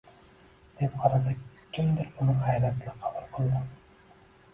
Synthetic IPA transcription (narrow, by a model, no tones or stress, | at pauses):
d̪̥ep̚qʰɑɾas̬akʲʰːɪmd̪ɪɾʊnɪhajlat̪ʰlɪqʰɑbulˠqʰɨlˠd̪ɪ